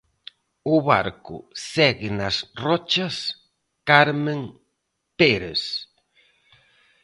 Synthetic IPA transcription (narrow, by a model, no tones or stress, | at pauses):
ʊβa̰ɾkʊ̰sɛɣɪnɐsrɔt͡ʃɐs | kaɾmẽŋ | peɾes